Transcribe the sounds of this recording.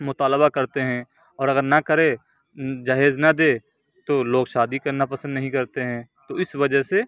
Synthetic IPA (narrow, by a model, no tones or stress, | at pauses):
mʊt̪aːləβakɐɾt̪eɦɛ̃ | ɔːɾɐɡəɾnɐkɐɾe | d͡ʒaːɦeːznɐd̪eː | t̪oloːɡʃaːd̪ikɐɾnapɐsə̃nd̪nɐɦĩkɐɾt̪eɦɛ̃ːt̪oɪsʋɐd͡ʒəɦse